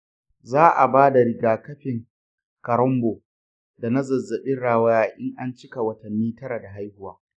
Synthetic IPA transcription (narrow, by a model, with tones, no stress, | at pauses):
zaː˦ʔa˨baː˦da˨ɾɪ˨ɡaː˨kɐ˦ɸɪ˨ŋ | kɐ˨ɾɔ˦mboː˨ | da˨na˦zɐ˨zːɐ˨ɓɪ˦nɽaː˨wɐ˦jaː˨ʔɪ˦ŋʔa˦nt͡ʃɪ˦ka˨wɐ˦tɐ˨nːiː˦tɐ˦ɾa˨da˨ɦa˦jhʊ˦waː˦